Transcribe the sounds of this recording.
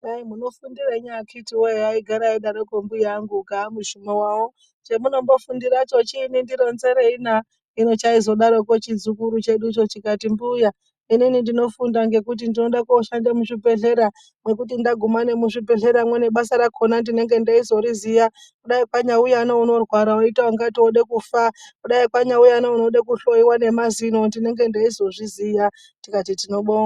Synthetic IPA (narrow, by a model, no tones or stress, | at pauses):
aimuno̞fundiraɲakʰitiwojeaiɡʱaɾaiɗaɾokombujaŋɡukamuʃumowawo | t͡ʃemuno̞mbo̞fundiɾat͡ʃot͡ʃinindiɾo̞nze̞ɾeina | ino̞t͡ʃaizo̞ɗaɾo̞kot͡ʃid͡zukuɾut͡ʃe̞ɗut͡ʃo̞t͡ʃikatimbuja | ininindino̞fundaŋɡe̞kut̬indino̞ɗakoʃandemuʂibʱeɮe̞ɾa | mwe̞k̬ut̬indaɡʱumane̞muʂipe̞ɮe̞ɾamwe̞ne̞ɓasaɾakʰonandine̞ŋɡe̞ndaizo̞ɾizija | kuɗaipaɲaujanouno̞rwaɾaoitaaŋɡatioɗekufakuɗaikwaɲaujanouno̞ɗakuɬo̞iwane̞mazino̞ndine̞ŋɡe̞ndaizo̞ʐizija | tikatitino̞ɓoa